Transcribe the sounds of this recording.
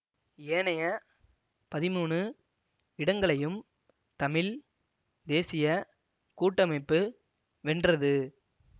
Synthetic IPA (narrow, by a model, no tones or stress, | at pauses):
eːnɐjɐ | pɐðɪmuːɳɯ | ɪɽɐŋɡɐɭɐjɯm | t̪ɐmɪl | d̪eːsɪjɐ | kuːʈːɐmɐɪpːɯ | ʋɛndrɐðɯ